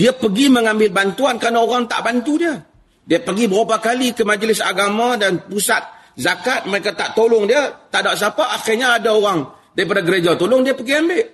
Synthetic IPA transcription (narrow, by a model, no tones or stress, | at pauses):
diəpəɡiməŋãmbɪlbant̪uankəɾanaoɾaŋt̪a̰ʔbant̪udiə | diəpəɡibəɾapakalikəmad͡ʒlɪsa̰ɡamãdanpusat̪̚ | zakat̪̚maekat̪aʔt̪olʊŋdiət̪aʔdaʔs̬apaʔaxɪrɲaːdaoɾaŋ | daɾip̬adaɡəɾed͡ʒat̪olʊŋdiəpəɡiambɪʔ